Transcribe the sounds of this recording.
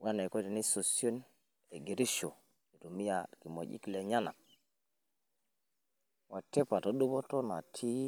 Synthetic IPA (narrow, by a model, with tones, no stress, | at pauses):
wa˦ne˨ko˦ti˨ni˦so˨sjo˦n | e˨ɡi˨ɾi˦ʃo˨ | i˨tu˨mi˦ja˨ki˨mo̰˨ɟḭ˦kle˨ɲa˦na̰˨ | wa˨te˦pa˨to˦ɗu˦bo˦to˦na̰˨tʰi˦